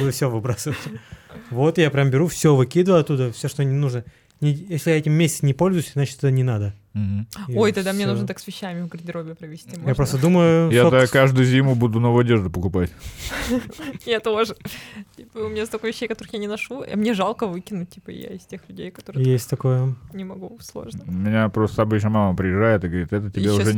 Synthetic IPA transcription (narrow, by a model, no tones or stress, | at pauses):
bud̪əfsʲovɨbɾasɨvətʲvo̞t̪ɨjapɾʲambʲɪɾufsʲovɨkʲid̪ələɐt̪ːud̪əfsʲoʂt̪onʲɪnuʐnə | nʲɪjesʲlʲɪjaɛtʲɪmːʲesʲt͡ssnʲɪpolʲzʊjʉsʲzat͡ɕɪ̥t̪ɛt̪ənʲɪnad̪əm̩ɦ̩ojt̪ɐɡd̪amnʲenuʐnət̪aksvʲɪɕːæmʲɪvɡɾʲɪnʲdʲɪɾobʲɪpɾəvʲɪsʲt̪ʲimjapɾost̪əd̪uməjʊjaot̪askːaʐd̪ʊjzʲimʊbud̪ʊnovəɐdʲeʐd̪ʊpəkʊpatʲ | jat̪oʐɨtʲipəʊmʲɪnʲast̪ɐkojvʲɪɕːejkɐt̪oɾɨxjanʲɪnɐʂṵmnʲeʐalˠkəvɨkʲɪnʊt̚ʲtːʲipə̰ja̰ɪsʲtʲexlʲʉdʲejkɐ̥t̪oɾɨjesʲtʲt̪ɐko̞jənʲɪmɐɡuslˠo̰ʐnmʲɪnʲapɾost̪əɐbɨt͡ɕnəmaməpɾʲɪjɪʐajɪt̪ɨɡəvɐɾit̪ɛt̪ətʲɪbʲeʊʐɛ